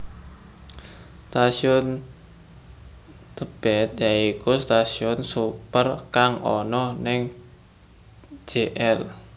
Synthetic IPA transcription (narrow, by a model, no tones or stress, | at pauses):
st̪asiʊn | t̪əb̥ɛt̪̚jaikust̪asiʊnsupərkaŋɔ̰nɔhnɪŋ | d͡ʒ̥eʔɛl